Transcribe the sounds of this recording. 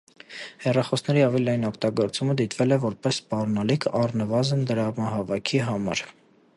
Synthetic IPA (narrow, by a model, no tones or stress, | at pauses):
hɛrɑχɔsnɛɾiɑvɛliɑjinɔkʰt̪ɑɡɔɾt͡suməd̪it̪vɛlɛvɔɾpɛsːpɑrnɑlikʰɑrnəvɑzənd̪əɾɑmɑɦɑvɑkʰiɦɑmɑ̰ɾ